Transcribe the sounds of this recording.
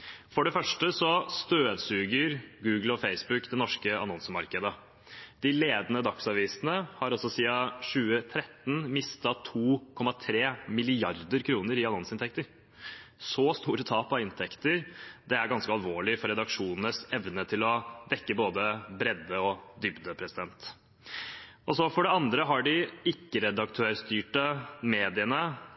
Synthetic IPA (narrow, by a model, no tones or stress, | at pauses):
fɔɖɛfœʂʈəsɔst̪øːd̪sʉːɡəɾɡʉːɡəl̩ɔfeɪsbʉkd̪ɛnɔʂkəɑ̰nɔnsəmɑɾkəd̪ə | d̪̥ɪleːd̪ənəd̪ɑksɑʋiːsnəhɑɾɔsɔsiːɑɕʉːət̪ʰɾɛt̪ːn̩mɪst̪ɑt̪ʰuːkʰɔmːɑt̪ʰɾeːmɪlɪɑɾd̪əɾkʰɾuːnəɾɪɑnɔnsɪnt̪ʰɛk̚t̪əɾ | sɔst̪uːɾət̪ʰɑːpɑɪnt̪ʰɛkt̪əɾd̪ɛæɾɡɑnskəɑlʋoːɭɪfɔɾɛd̪ɑkʂuːnənəsɛʋnət̪ʰɪlɔd̪ɛkːəboːd̪əbɾɛd̪ːəɔd̪ʏbd̪əpʰɾɛsɪd̪ɛnt̪ | ɔsɔfɔɖɛɑnd̪ɾəɦɑɖɪɪkːəɾɛd̪ɑkt̪ʰøːɾst̪yːʈəmeːd̪ɪənə